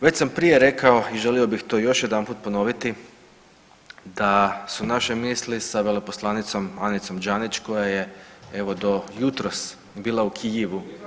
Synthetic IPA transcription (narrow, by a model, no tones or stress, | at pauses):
ʋe̞t͡ɕsampɾije̞ɾe̞kao̞iʒe̞lio̞bixt̪o̞jo̞ʃje̞d̪anpuːt̪̚po̞no̞ʋit̪i | d̪asunaʃemiːslisaʋeleposlˠanit̪so̞manit̪so̞md͡ʒanit͡ʃko̞jaje̞e̞ʋo̞d̪o̞jut̪ɾos | biːlˠaukʰijiʋu